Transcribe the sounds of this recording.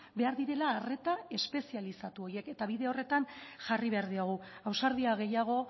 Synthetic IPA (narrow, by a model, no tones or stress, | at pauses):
be̞aɾðiɾe̞laːre̞t̪ae̞spe̞sialisat̪uo̞je̞ke̞t̪aβiðe̞o̞re̞t̪anʝariβe̞aɾðiaɣ̞uawsaɾðiaɣ̞e̞jaɣ̞o̞